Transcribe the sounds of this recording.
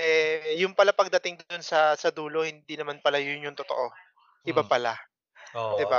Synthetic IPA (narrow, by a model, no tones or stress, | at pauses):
ʔɛjʊŋpɐlapɐɡ̚d̪ɐt̪ɪŋd̪onsɐsɐd̪uːlo̞hɪnd̪inɐmanpɐlajʊnjʊŋt̪ot̪o̞ʔo̞ | ʔɪbapɐla | od̪ɪba